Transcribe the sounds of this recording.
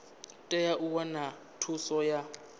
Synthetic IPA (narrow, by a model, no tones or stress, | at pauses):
tʼɛjaʔukwana | tʰusɔja